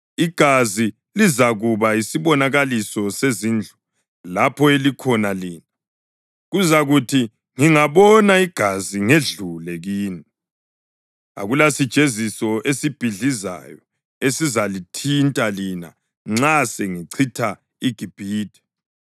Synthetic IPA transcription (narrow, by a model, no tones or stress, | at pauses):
iɡ̥ʱazi | lizaɣuβaisiβɔnaɣalisɔsezind͡ɮʱu | lapʰɔelikʰɔnaliːna | ɣuzaɣutʰi | ŋiŋaβɔnaiɡ̥ʱaziŋeɮulɛɣiːni | a̰ɣulasid̥ʒ̥ʱezisɔʔesib̥ʱiɮiza̰jɔ | esizalitʰintʼalina̰ | ŋ͡ǁaseŋiǀʰitʰa | iɡ̥ʱib̥ʱiːd̥ʱɛ̥